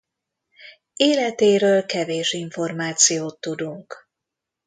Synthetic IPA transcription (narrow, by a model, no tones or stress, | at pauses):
eːlɛt̪eːɾøːlkɛveːʃiɱfo̞rmaːt̪sijoːt̪ːud̪uŋk